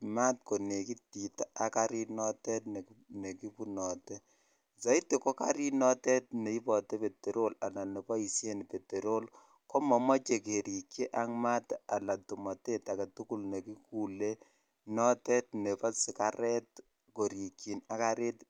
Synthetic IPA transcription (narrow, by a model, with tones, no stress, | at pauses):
ma˦t̚ko˨ne˨ki˦ti˨ta˦a˨ka˦ɾi˦tnɔ˦tɛ˦tn˨ne˨ki˦pu˦nɔ˨te˦ | sa˨˦i˦te˨ko˦ka̰˦ɾi˦nɔ˦tɛ˦t̚ne˨i˦pɔ˨te˦pe˨te˨ɾo˦la˨la˨ne˨pɔ˦i˨sje˦n˨pe˨te˨ɾo˦l | ko˦mɔ˨mɔ˦t͡ʃe˨ke˨ɾi˨kje˦ʔa˦ŋma˦ta˨la˨tu˨mɔ˨te˦ta˨ka˨tu˦ku˦lne˨ki˦ku˨le˦ | nɔ˦tɛ˦t̚ne˨pɔ˦si˨ka˦ɾɛ˦t̚ | ko˨ɾi˨ki˨na˨˦ka˦ɾe˦t